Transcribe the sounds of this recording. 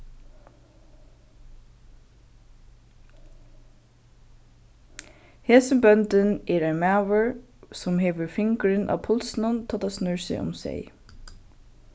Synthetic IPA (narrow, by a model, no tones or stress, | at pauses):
heːsənbœnt̪ənɛɹaɪnmæːʋəɹ | sɔmɦeːʋəɹfɪŋkɹɪnʔa̰ʋpʰʊlsnʊnt̪ʰɑːt̪asnʏɹsɪ̰ʔʊ̰msɛ̰j